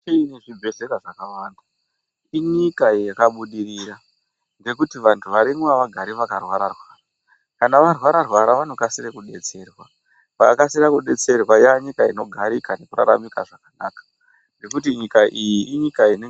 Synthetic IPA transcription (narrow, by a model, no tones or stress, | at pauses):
t͡ʃiineʐibʱe̞ɮekaʐakawanda | iɲikajekaɓuɗiriɾa | ŋɡe̞kutiʋantʰuʋaɾimwaʋaɡʱaɾiʋakarwaɾarwaːra | kanaʋarwaɾarwaɾaʋanokasirekuɗe̞t͡se̞ːrwa | ʋa̰kasiɾakuɗe̞t͡se̞rwajaɲikaino̞ɡʱaɾikane̞kura̰ɾa̰mikaʐakanaːkḁ | ŋɡe̞kut̬iɲikaʔijiʔiɲikaine